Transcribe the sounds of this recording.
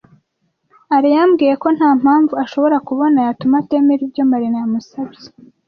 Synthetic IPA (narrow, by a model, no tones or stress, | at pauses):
aɾijamɡiːje̞ko̞nhaːm̥haːɱvuaʃo̞βo̞ɾakuβo̞najatumate̞ːmeɾibɟo̞maɾinajamusaβje